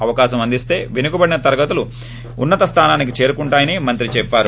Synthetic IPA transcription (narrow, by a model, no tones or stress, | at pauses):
ɐʋɐkaːʃɐmɐnd̪ist̪e̞ːʋinukubɐɽinɐt̪ɐɾɐɡɐt̪ulu | unːɐt̪ɐst̪ʰaːnaːnikit͡ʃe̞ːɾukuɳʈaːjɐnimɐnt̪ɾit͡ʃɛpːaːɾu